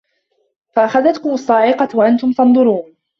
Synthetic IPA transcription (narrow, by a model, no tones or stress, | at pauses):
faʔaxaðat̪kʊmʊsˤːɑːʕɪqɑwaʔant̪ʊmt̪ɑnd̪ˤʊɾuːn